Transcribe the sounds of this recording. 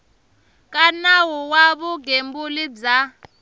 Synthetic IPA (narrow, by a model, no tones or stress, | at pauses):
k̬ʼanawuwaβuɡembulid͡za